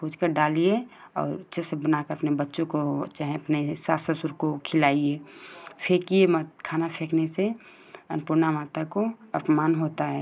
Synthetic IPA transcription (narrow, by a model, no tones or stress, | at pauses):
bud͡ʒkəɾɖaːlie | ɔ̰ːɾʊtʃʰesebənaːkəɾəpnebətːʃõkot͡ʃaːɦẽɐpnesaːsəsʊɾkokʰɪlaːiepʰekijemat̪kʰaːnapʰeːknese | ɐnpuːɾnamaːt̪akoɐpmaːnɦoːt̪aɦɛː